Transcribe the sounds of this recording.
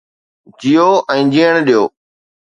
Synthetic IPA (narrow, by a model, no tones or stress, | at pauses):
d͡ʑijoːʔɛ̃ːd͡ʑiːəɳ̃ɗijoː